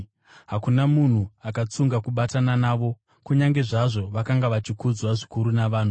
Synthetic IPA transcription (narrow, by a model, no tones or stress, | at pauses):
ɦakunamun̤uakat͡suŋɡakuɓatananaːʋo̞ | kuɲaŋɡe̞ʐaʐo̞ʋakaŋɡaʋat͡ʃikud͡zwaʐikuɾunaʋaːn̤u